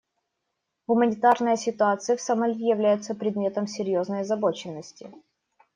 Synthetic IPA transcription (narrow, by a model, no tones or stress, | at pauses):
ɣʊmənʲɪt̪arnəjəsʲɪt̪ʊat̪sɨjəfsɐmɐlʲijɪvlʲæjʊt̪səpɾʲɪd̪mʲe̞t̪əmsʲɪɾʲjo̞znəjɐzɐbo̞t͡ɕɪnːəsʲtʲɪ̰